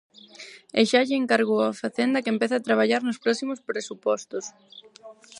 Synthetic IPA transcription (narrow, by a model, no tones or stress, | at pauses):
eʃaʎɪeŋkaɾɣoafaθend̪ɐkempeθaːt̪ɾaβ̞aʎaɾnʊspɾɔsimospɾesupɔst̪os